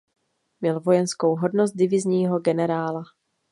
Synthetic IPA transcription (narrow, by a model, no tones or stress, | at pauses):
mɲɛlvo̞jɛnsko̞wɦo̞dnost̪̚dɪvɪzɲiːɦo̞ɡɛnɛɾaːla